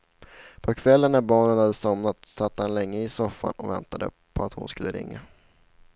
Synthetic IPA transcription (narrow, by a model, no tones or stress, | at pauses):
pʰɔkʰvɛlːənːæɾbɑːɳənhad̪ːəsɔmnat̪sat̪ːəhanlɛŋːəɪsɔfːa̰nɔvɛnt̪ad̪ə̰ | pʰɔat̪hʊnskɵlːəɾɪ̰ŋːa